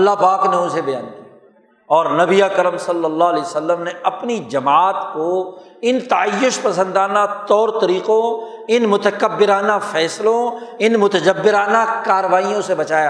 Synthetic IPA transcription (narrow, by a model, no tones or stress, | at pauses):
ɐlːapaːkneʊsebɐjã̰ːnd̪iː | ɔːɾnɐbiaːkəɾəmsɐlːəlːaːɦlɛːsɐlːəmneɐpnid͡ʒɐmaːt̪ko | ɪnt̪ɐəjːʊʃpɐsə̃nd̪aːnat̪ɔːɾt̪ɐɾiːqõ | ɪnmʊt̪əkəbːɪɾaːnafɛːslõɪnmʊt̪əd͡ʒəbːɪɾaːnakaːɾəʋaːijõsebɐt͡ʃaːjaː